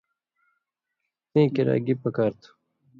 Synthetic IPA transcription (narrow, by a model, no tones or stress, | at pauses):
t̪ĩːkiɾa̰ːɡipɐkaːɾt̪ʰu̥